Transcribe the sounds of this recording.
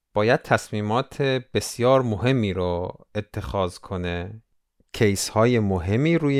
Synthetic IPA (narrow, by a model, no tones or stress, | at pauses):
b̥ɒːjæd̪̥̚t̪ʰæsmiːmɒːt̪ʰeb̥e̞sjɒːɾmoɦe̞mːiːɾoet̪ʰːe̞xɒːzkʰo̞ne | cʰejshɒːje̞moɦe̞mːiːɾuːje